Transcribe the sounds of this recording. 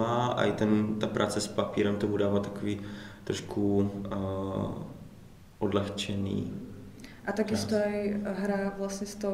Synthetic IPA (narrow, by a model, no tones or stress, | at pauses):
aːʔa̰it̪ɛnt̪apɾʔa̰ːt͡sɛspapiːɾɛmt̪obudaːvat̪ːḁkoviːt̪ɾoʃkʰu | ʔodlɛxt͡ʃɛnḭː | ʔat̪aɡjɪst̪oajɦɾavlasɲɛst̪o